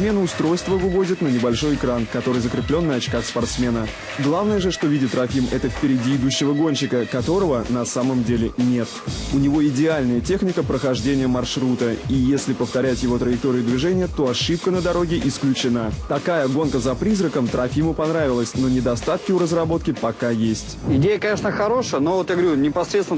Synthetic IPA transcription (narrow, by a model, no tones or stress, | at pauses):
mʲenəʊst̪ɾo̞jst̪vəvɨvo̞zʲɪt̪nənʲɪbɐlʲʂo̞jɪkɾankɐt̪o̞ɾɨjzəkɾʲɪplʲo̞nːəɐt͡ɕkaxspɐrt̪smʲe̞nə | ɡlˠavnəjəʐɨʂt̪o̞vʲidʲɪt̪ːɾɐfʲimɛt̪əfpʲɪɾʲɪdʲiɪd̪uɕːɪvəɡo̞nʲɕɪkəkɐt̪o̞ɾəvənɐsaməmdʲelʲɪnʲet̪ʊnʲɪvo̞ɪdʲɪalʲnəjətʲe̞xnʲɪkəpɾəxɐʐdʲenʲɪjəmɐrʂɾut̪əijesʲlʲɪpəft̪ɐɾʲætʲjɪvo̞t̪ɾəjɪk̚t̪o̞ɾʲɪjəd̪vʲɪʐɛnʲɪjət̪o̞ɐʂɨp̚kənəd̪ɐɾo̞ɡʲɪʔɪsklʲʉt͡ɕɪnat̪ɐkajəɡo̞nkəzɐpɾʲizɾəkəmt̪ɾɐfʲimʊpɐnɾavʲɪlˠəsʲno̞nʲɪd̪ɐst̪at̪kʲɪʊɾəzrɐbo̞t̪kʲɪpɐkajesʲtʲɪdʲejəkɐnʲeʂnəxɐɾo̞ʂəjənovot̪jaɡəʋɐɾʲunʲɪpɐsɾʲet̪sɪn